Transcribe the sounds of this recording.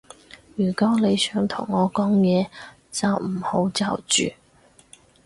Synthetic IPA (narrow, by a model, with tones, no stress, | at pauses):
jyː˨˩kɔː˨˥le˨˧jsœː˨˥ŋt̪ʰʊ̰˨˩ŋːɔː˨˧kɔː˨˥ŋjɛː˨˧ | t͡sɐ˨wm̩˨˩ho˨˥wt͡sɐ̰˨˩wt͡ʃy̰ː˨